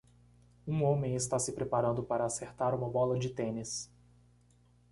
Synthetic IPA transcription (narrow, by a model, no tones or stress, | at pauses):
ũõmẽj̃ɪst̪asɪpɾepaɾɐ̃nd̪ʊpaɾɐːseɾt̪aɾũmɐbɔlɐd͡ʒɪt̪ẽnɪs